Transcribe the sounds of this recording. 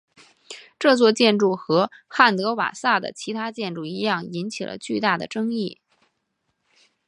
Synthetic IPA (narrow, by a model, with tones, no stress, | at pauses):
ʈ͡ʂɤ˥˧t͡swɔ˥˧t͡ɕjɛ˥˧nʈ͡ʂu˥˩xɤ˧˥xa˥˩nt̪ɤ˧˥wa̰˨˩sa˥˩d̪ə̰˩t͡ɕʰi˧˥t̪ʰa˥t͡ɕjɛ˥˧nʈ͡ʂu˥˩i˧˥jɑ˥˩ŋi˧˥nt͡ɕʰḭ˨˩lʔə̰˦t͡ɕy˥˧t̪a˥˩d̪ə̰˩ʈ͡ʂɤ˥ŋi˥˩